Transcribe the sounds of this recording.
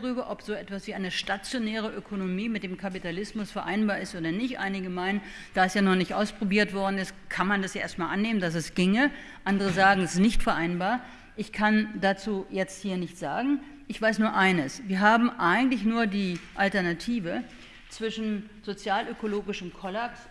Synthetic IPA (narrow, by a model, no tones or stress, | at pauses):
ʁyːbɐʔɔpz̥oːʔɛtv̥asv̥iːʔaɪnəʃtat͡sjonɛːʁ̞əʔøkʰonomiːmɪt̚d̥eːmkʰapitʰalɪsmʊsfɛɐʔa̰ɪnbaːɐɪstʔoːdɐnɪçtʔa̰ɪnɪɡəmaɪnən | d̥aɛsjaːnɔχnɪçtʔaʊspʁ̥obiːɐtv̥ɔɐdn̩ɪstkʰanmandasjaːḛːɐstmaːlʔanːeːməndas̬ɛsɡ̥ɪŋə | ʔandəʁ̞əzaːɡŋ̩ɛsɪsnɪçtfɛɐʔaɪnbaːɐ | ʔɪçkʰandat͡suːjɛt͡sthiːɐnɪçtz̥a̰ːɡŋ̩ | ʔɪçv̥aɪsnuːɐʔaɪnəsviːɐɦaːbm̩ʔaɪɡŋ̩tlɪçnuːɐdiːʔaltɛɐnatʰiːvə | t͡sv̥ɪʃn̩ | z̥ot͡sjaːlʔøkoloːɡɪʃəmkʰɔlaps